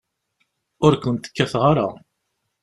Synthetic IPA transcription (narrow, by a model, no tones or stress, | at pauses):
ʊɾkʷʊnt̪ə̥kːæθʁaɾa